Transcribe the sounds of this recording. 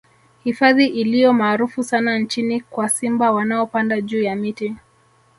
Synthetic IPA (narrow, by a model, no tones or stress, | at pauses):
hifaðiʔilijɔmaːɾufusanant͡ʃinikwasimbawanaɔpandaʄuːjamiti